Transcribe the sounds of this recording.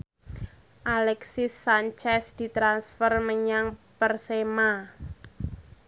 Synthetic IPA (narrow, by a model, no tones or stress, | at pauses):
ʔalɛksisːant͡ʃɛsd̪̥i̤t̪ɾansfərməɲaŋpərsema